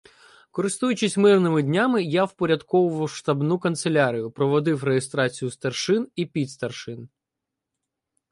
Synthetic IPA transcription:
kɔɾɪst̪ujʊt͡ʃɪsʲmɪrnɪmɪdʲnʲamɪjawpɔɾʲɐd̪kɔʋʊʋʃt̪ɐbnukɐnt̪selʲaɾʲijʊpɾɔʋɔd̪ɪwrejest̪ɾɑt͡sʲijʊst̪ɐrʃɪnipʲid̪st̪ɐrʃɪn

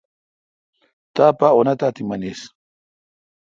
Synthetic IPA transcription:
t̪apaonat̪at̪imanes

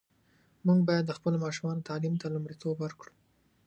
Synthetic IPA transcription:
muɡbɑjad̪ːəxpəlomɑʃumɑnot̪ɑlimt̪alumɽit̪ʰobwəɾkɽu

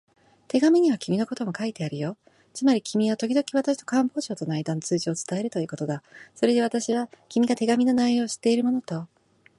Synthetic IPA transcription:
t̪e̞ɡamʲiɲ̟iβakʲʰimʲino̞ko̞t̪o̞mokait̪e̞aɾɯ̟jo̞ | t͡sɨmaɾʲikʲimʲiβat̪o̞kʲid̪o̞kʲiβat̪aɕi̥t̪o̞kãmbo̞ːʑo̞ːt̪o̞naid̪anːot͡sɨːʑio̞t͡sɨ̥t̪ae̞ɾɯ̟t̪o̞iɯ̟ːko̞t̪o̞d̪asoɾe̞d̪e̞β̞at̪aɕiβakʲimʲiɡat̪e̞ɡamʲino̞naio̞ːɕi̥t̪e̞iɾɯmo̞not̪o̞

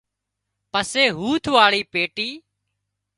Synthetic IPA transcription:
pəseːɦuːt̪ʰʋaːɭiːpeːʈiː

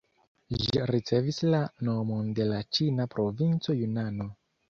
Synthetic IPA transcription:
ʒiɾit͡se̞vislano̞monde̞lat͡ʃinapɾo̞vint͡so̞junano̞

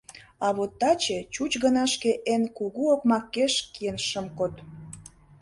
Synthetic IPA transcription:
ɑβot̪ːɑt͡ɕet͡ɕut͡ɕɣənɑʃkeʔenkuɣuokmɑkːeʃkienʃəmkot̪

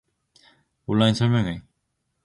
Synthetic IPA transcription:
onːainsʰʌɭmʲjʌŋe

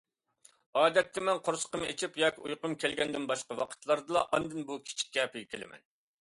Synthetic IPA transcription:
ɑːd̪ɛt̪ːɛmɛnqʰoɾsə̥qəmet͡ʃʰipjɑːkʲiujqʊmkʲælɡʲɛnd̪ɪnbɑʃqɑwɑqʰə̥t̪lˠɑɾd̪ɨlˠɑʔɑnd̪ɨnbukʲʰi̥t͡ʃʰi̥kʲːɛpʰɪɡʲɪkʲʰelɪ̰mɛ̰n

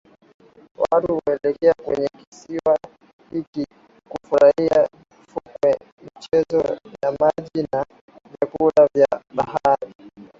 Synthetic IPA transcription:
watuwaɛlɛkɛakwɛ̰ɲɛkisiwa | hiki | kufuɾaia | fukwɛ | mit͡ʃɛzɔjamaʄina | vjakulavjaɓahaɾi

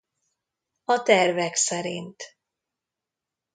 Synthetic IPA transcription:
ɒt̪ɛrvɛksɛɾḭnt̪

